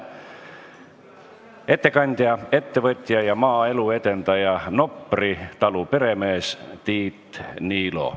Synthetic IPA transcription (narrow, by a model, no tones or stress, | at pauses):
e̞t̪ːe̞kɑnʲd̪̥ʲjɑe̞t̪ːe̞vɤt̪ʲːˑjɑjɑmɑːe̞lue̞d̪̥e̞nt̪ɑjɑno̞pːˑrit̪ɑlupe̞ɾe̞me̞ːst̪iːt̪niːlo̞̰